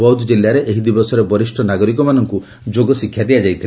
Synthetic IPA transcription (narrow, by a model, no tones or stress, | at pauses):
ɔwd̪d͡ʒilːaɾeʔeɦid̪ibɔsɔɾebɔɾisʈʰɔnaɡɔɾikɔmanɔŋku | d͡ʒoɡɔsikʰːjad̪iad͡ʒajt̪ʰil